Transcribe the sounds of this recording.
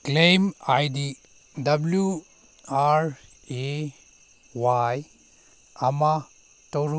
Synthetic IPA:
klejmajdi | dɐblju | aɾ | e | waj | ama | t̪oɾ

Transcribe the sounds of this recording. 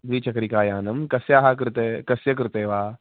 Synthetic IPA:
bɾiːt͡ʃɐkɾikaːjaːnɐmkɐsjaːɦak̬ɾɨt̪ekɐsjɐk̬ɾɪt̪eːʋaː

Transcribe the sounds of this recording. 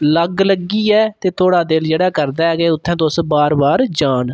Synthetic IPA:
ləɡləɡːiːɛːt̪eːt̪ʰoːɽaːd̪ɪld͡ʒeːɽaːkəɾd̪aːɛːɡeːʊt̪ʰːɛ̃ːt̪̬osbaːɾbaːɾd͡ʒaːn

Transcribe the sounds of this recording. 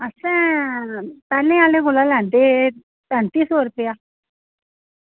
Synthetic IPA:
əsɛ̃ | pɛːlẽaːlẽkolalɛ̃ːnd̪e | pɛ̃nt̪iːsoːɾʊpejaː

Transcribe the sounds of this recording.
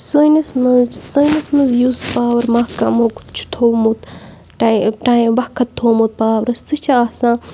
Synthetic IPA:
sənɐsmɨzsənɐsmɨzjuːspaːwɐɾmakɐmok̪t͡ʃʰu̥t̪ʰoːmut̪ | ʈaʈãbɐkʰːɐt̪ʰːoːmut̪̚paːwɐɾɐst͡sɨt͡ʃʰaːsãː

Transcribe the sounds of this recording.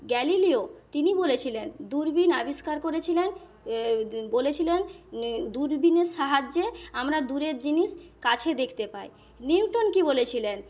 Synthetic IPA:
ɡɛliliot̪inibolet͡ɕʰilend̪uɾbinabiʃkaɾkoɾet͡ɕʰilen | bolet͡ɕʰilend̪uɾbineʃaɦad͡ʑːeamɾad̪uɾeɾd͡ʑiniʃkat͡ɕʰed̪ekʰt̪epae | niwʈonkibolet͡ɕʰilen

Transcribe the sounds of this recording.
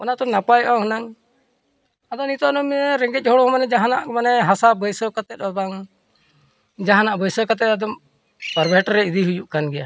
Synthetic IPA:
ɔnat̪ɔnapajʔaɦɔnaŋ | ad̪ɔnit̪ɔʔnɔmɾɛŋɡɛt̪c̚ˀɦɔɽɔmanɛd͡ʒaɦana̰ʔkmanɛɦasabəjsɔkat̪ɛt̪̚ˀɔb̪aŋ | d͡ʒaɦanaʔbəjsɔkat̪̬ɛt̪ad̪ɔm | pəɾbʱɛʈɾɛid̪iɦujuʔkanɡɛja

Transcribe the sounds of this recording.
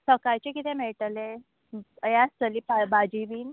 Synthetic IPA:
səkajt͡ɕekit̪ʰemeɭʈəle | jast̪əlipabad͡ʑiʋiːn

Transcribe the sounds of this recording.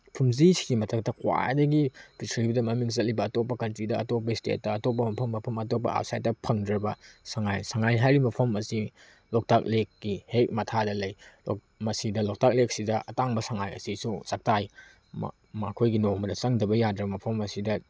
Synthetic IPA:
pʰumzisiɡimɐtʰɐk̚tʰɐkwa̰jdɐɡipisɾibdɐmɐmiŋzɐtlibɐːtop̬ːɐkɐntɾidɐɐtop̬ːɐstḛt̚ːɐːtop̬ːɐmɐpʰɐmːɐpʰɐmɐt̬op̬ːɐ̰ʔa̰wsa̰jt̚dɐpʰɐŋdɾɐbɐsaŋajsaŋajɦajɾimɐpʰɐmɐsi | lok̚tʰak̚lekːihek̚mɐtʰadɐlɐjl | mɐsidɐlok̚tʰak̚lek̚sidɐʔɐtaŋbɐsaŋajɐ̰sisusak̚taj | m̰ | mɐkʰojɡinomɐdɐsɐŋdɐbɐjadɾɐmɐpʰɐmɐsidɐ

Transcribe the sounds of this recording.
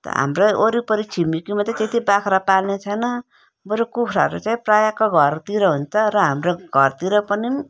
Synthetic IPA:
t̪ʌ̰ɦa̰mroʔoɾipʌɾit͡sʰimikimat̪et̪et̪ibakʰɾapalnet͡sʰʌjnʌ | bʌɾukukʰɾa̰ɾut͡saĩprajakoɡʱʌɾt̪iɾʌɦunt͡sʰʌrʌɦamroɡʱʌrt̪iɾʌpʌni

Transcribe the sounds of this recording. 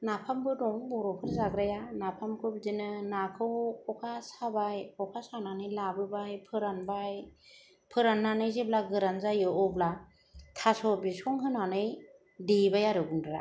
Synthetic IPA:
napʰambɯdɔŋbɔɾɔkʰɯɾzaɡɾajanapʰamkʰɯbizɯnɯnakʰɯwkɔkʰasabajkɔkʰasananɯjlabɯbajpʰɯɾanbaj | pʰɯɾanːanɯjzeblaɡɯɾanzajɯɔbla | tʰasɔbisɔŋɦɯnanɯj | dibajaɾɯɡundɾa̰

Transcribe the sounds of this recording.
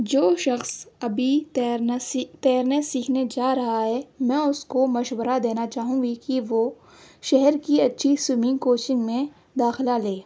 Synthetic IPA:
d͡ʒoːʃɐxsɐbʱiɾt̪ɛːɾnesiːkʰned͡ʒaːɾɐɦaɦɛːmɛ̃ːʊskomɐʃwəɾad̪eːnat͡ʃaːɦũŋɡikiʋo | ʃɛɦɛɾkiɐtːʃʰisʊmĩːŋkoːt͡ʃɪ̃ŋɡmẽ | d̪aːxɪlaleː

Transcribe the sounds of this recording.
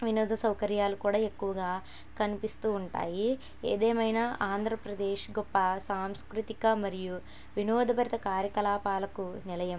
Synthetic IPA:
ʋinɔːd̪ʱɐsɐwkɐɾjaːlukuːɽaːe̞kːuʋɐɡaː | kɐnipist̪uːɳʈa̰ːji | ḛːd̪eːmɐjnaːaːnd̪ʱɾɐpɾɐd̪eːʃɡɔpːɐsaːmskɾut̪ikɐmɐɾiju | ʋinɔːd̪ʱɐbɐɾit̪ɐkaːɾjɐkɐlaːpaːlɐkunilɐjɐm

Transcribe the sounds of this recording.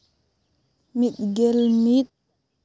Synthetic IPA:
miɗɡɛlmiɗ̚

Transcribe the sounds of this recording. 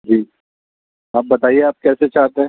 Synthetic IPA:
d͡ʒiː | ɦɐmbɐt̪aːieaːp̚kɛːset͡ʃaːt̪eɦɛ̃

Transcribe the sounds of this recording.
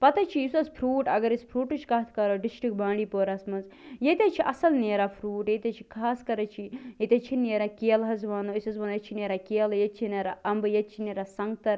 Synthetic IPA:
pɐt̪ɐt͡ʃʰiisɐzpʰɾuːʈɐɡɐɾispʰɾuːʈɨt͡ʃʰkɐɦɐt̪ʰkɐɾoɖisʈɾik̚bãːɳɖiːpoːɾaːsmɐnzjet̪ʲet͡ʃʰiʔɐsɐlneːɾapʰɾuːʈjet̪ʲɐt͡ʃʰi̥kʰaːskɐɾɐt͡ʃʰijet̪ʲɐt͡ʃʰineːɾakeːlɦɐzʋɐnoisɐzʋɐnjɐt͡ʃʰineːɾakeːljet̪̚t͡ʃʰineːɾaʔɐmbɨjet̪̚t͡ʃʰineːɾasɐŋɡt̪ɐɾ

